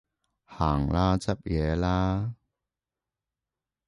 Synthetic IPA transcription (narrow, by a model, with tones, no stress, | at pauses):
haː˨˩ŋlaː˦˥t͡sɐ˦˥p̚jɛː˨˧˦laː˦˥